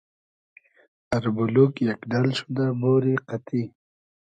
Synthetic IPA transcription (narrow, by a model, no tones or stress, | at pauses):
ɐɾbulukjakɖalʃud̪aboːɾiqat̪i